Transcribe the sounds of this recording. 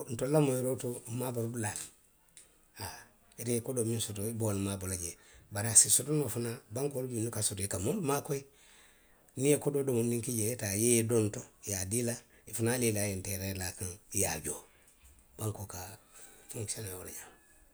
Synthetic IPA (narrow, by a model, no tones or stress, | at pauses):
n̩tolamojiɾotomabolbla | a | itekodominsut̬oibonmabolaɟe | baɾasisutunofunabaŋkoɾubunukasutikamonmakoi | nijekododomundiŋkiɟejetajejdontojadila | ifunaːlilajenteɾelakaŋja̰ɟo | b̥aŋkoka | fuŋsenawo̰la̰ɲam